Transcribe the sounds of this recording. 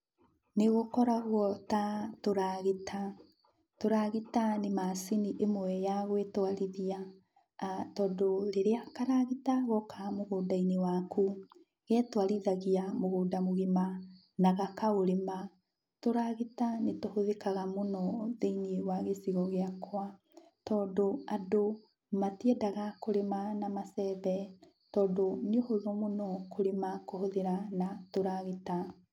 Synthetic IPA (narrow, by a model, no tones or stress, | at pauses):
neɣokɔɾaɣwɔtatoɾaɣetʰa | toɾaɣitanemasiniʔemwɛjaɣwetwaɾiðia | tɔdoɾeɾeakaɾaɣitaɣɔkamoɣoːdainewakʰu | ɣɛtwaɾiðaɣiamoɣoːdamoɣema | naɣakaoɾema | toɾaɣetanetohoðekaɣamonɔðeiniewaɣesiɣɔɣeakwa | tɔːdoado | matiɛdaɣakoɾemanamasɛβɛ | tɔːdoneohoðɔmonɔkoɾemakohoðeɾanatoɾaɣeta